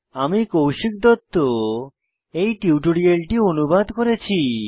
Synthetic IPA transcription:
amikowʃik̚d̪ɔt̪ːo | ejʈiuʈoɽialʈionubad̪koɾet͡ɕʰi

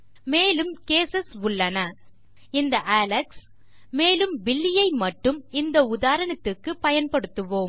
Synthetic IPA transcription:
meːlɯmkeːsɐsʊɭːɐnɐ | ɪnd̪ɐʔaːlɐks | meːlɯmbɪlːɪjɐɪmɐʈːɯmɪnd̪ɐʊðaːɾɐnɐt̪ːɯkːɯpɐjɐnpɐɽɯt̪ːɯʋoːm

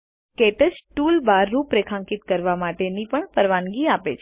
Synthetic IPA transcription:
keʈəd͡ʒʈulbaɾːũpɾekʰãŋkit̪kəɾʋamaʈenipəɳpəɾʋanɡiapḛt͡ʃʰ

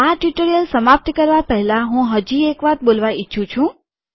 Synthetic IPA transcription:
aʈiʈoɾijəlsəmap̚t̪kəɾʋapəɦɛlaɦũɦəd͡ʒiekʋat̪̚bolʋait͡ʃʰũt͡ʃʰũ

